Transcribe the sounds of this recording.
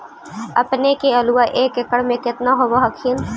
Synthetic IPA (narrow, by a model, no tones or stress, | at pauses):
ɐ̰pnekeɐluwaʔeːkɪkəɽmẽkɪt̪naɦobaɦɐkʰin